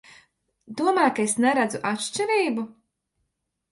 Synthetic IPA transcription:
d̪uɔmaːjkaesnɛɾad̪zuʔat̪ʃt͡ʃɛɾiːbu

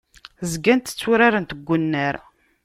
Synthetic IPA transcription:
zɡænt̪ə̥t͡sːuɾaɾənt̪əɡʷːənːəɾ

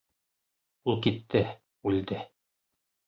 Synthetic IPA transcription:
ulˠkit̪ːɘ | ʉld̪ɘ

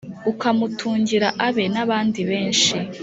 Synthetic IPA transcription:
ukamutʰuːɲɟiɾaʔaβe̞naβaːndiβe̞ːnʃi

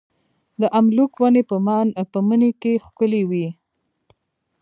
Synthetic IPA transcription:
d̪əʔamlukwanepəmɑnpəmənekexkʊlewi

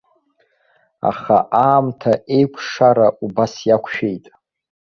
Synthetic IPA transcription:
a̰χa̰ʔaːmtʰaʔe̞jkʷʰʂaɾaʔubasjakʷʰʃᶣe̞jtʼ

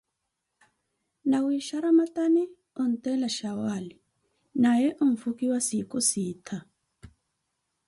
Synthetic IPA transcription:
nawiʃaɾamatanɛ | ɔn̩tɛlaʃawali | najɛʔɔɱfukiwasikɔsiːtʰa

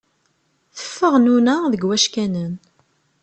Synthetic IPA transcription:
θə̥fːəʁnunæðəɡwæʃkænən

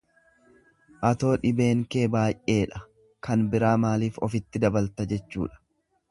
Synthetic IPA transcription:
ʔɐt̪o̞ːᶑɪbe̞ːŋke̞ːbaːjʔʔe̞ːᶑɐ | kɐnbɪɾaːmaːliːfɔfɪt̪ːɪd̪ɐbɐlt̪ɐd͡ʒɛt͡ʃːṵːᶑɐ̥

